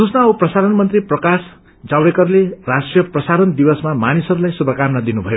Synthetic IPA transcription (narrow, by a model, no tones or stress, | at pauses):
usnauprʌsaɾʌnmʌnt̪riprʌkas | d͡zawɽekʌrlerasʈrijʌprʌsaɾʌnd̪ibʌsmamanisʌɾulajsubʱʌkamnad̪inubʱʌjo